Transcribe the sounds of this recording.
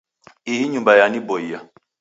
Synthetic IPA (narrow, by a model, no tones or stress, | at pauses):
iɦiɲumbajanibɔija